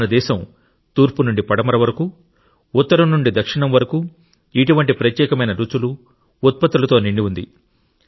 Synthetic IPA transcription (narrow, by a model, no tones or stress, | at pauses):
nɐd̪ɛːʃɐm | t̪uːɾpunuɳɖipɐɽɐmɐɾɐʋɐɾɐku | ut̪ːɐɾɐmnuɳɖid̪ɐkʂiɳɐmʋɐɾɐku | iʈuʋɐɳʈipɾɐt̪jɛːkɐmɐjnɐɾut͡ʃuluː | t̪̚pɐt̪ːulɐt̪oːniɳɖiund̪ḭ